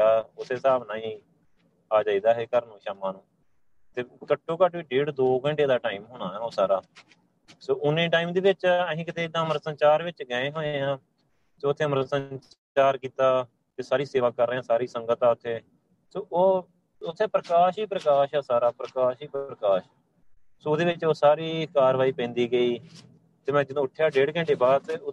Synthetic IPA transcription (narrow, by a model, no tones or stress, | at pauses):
aːʊt̪ʰːeːsaːbnaːĩː | aːd͡ʒaːiːd̪aːɦeːkəɾnũːʃaːmaːnũː | t̪eːkəʈʰːoːkəʈʋiːɖeːɽd̪oːɡəɳɖeːd̪aːʈaːiːmɦoːɽaːɛːoːsaːɾaː | soːʔʊnẽːʈaːiːmd̪iːʋɪt͡ʃəɦĩːkɪt̪eːɪd̪ãːməɾəsənt͡ʃaːɾʋɪt͡ʃɡəːẽːɦoːẽːãː | t̪eːʊt̪ʰːeːməɾsə | t͡ʃaːɾkiːt̪aː | t̪eːsaːɾiːseːʋaːkəɾːeːãːsaːɾiːsəŋɡət̪aːʊt̪ʰːeː | soːoː | ʊt̪ʰːeːpɾəkaːʃiːpɾəkaːʃɛːsaːɾaːpɾəkaːʃiːpɾəkaːʃ | soːd̪eːʋɪt͡ʃoːsaːɾiːkaːɾʋaːiːpɛ̃ːnd̪iːɡəiː | t̪eːmɛ̃ːd͡ʒɪd̪õːʊʈʰːjaːɖeːɽɡə̃ɳɖeːbaːd̪t̪eːʊ